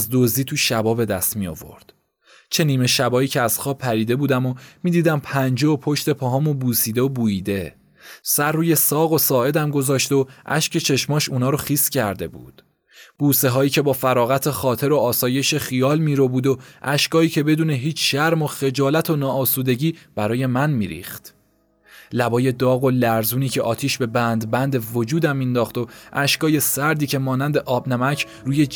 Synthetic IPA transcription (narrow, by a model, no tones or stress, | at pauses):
zd̪ozd̪iːt̪ʰuʃæbɒːbe̞d̪æst̪mijo̰vo̞̰ɾd̪̥ | t͡ʃʰe̞niːme̞ʃæbɒːiːcʰeæz̥xɒːpʰːæɾiːd̪e̞buːd̪æmomiːd̪iːd̪æmpʰænd͡ʒeopʰoʃt̪e̞pʰɒɦɒːmobuːsiːd̪eobuːiːd̪e̞ | sæɾrːuːje̞sɒːɣo̞sɒːe̞d̪æmɡo̞zɒːʃt̪o̞ʔæ̰ʃcʰe̞t͡ʃʰe̞ʃmɒːʃuːnɒːɾoxiːscʰæɾd̪e̞̰bṵːd̪̥ | b̥uːse̞ɦɒːiːcʰe̞bɒːfæɾɒːɣæt̪ʰe̞xɒːt̪ʰe̞ɾo̞ɒːsɒːje̞ʃe̞xijɒːlmiːɾo̞buːd̪oʔæʃkɒːiːcʰe̞be̞d̪uːne̞ɦiːt͡ʃʰʃæɾmo̞xe̞d͡ʒɒːlæt̪ʰo̞nɒːsuːd̪e̞ɟiːb̥æɾɒːje̞mænmḭːɾḭːχt̪ | læbɒːje̞d̪ɒːɣo̞læɾzuːniːcʰe̞ʔɒ̰ːt̪ʰiːʃbe̞bænd̪bænd̪e̞vo̞d͡ʒuːd̪æmːind̪ɒːχt̪o̞ʔæʃkɒːje̞sæɾd̪iːcʰe̞mɒːnænd̪e̞ʔɒːbnæmæcʰ | ɾuːje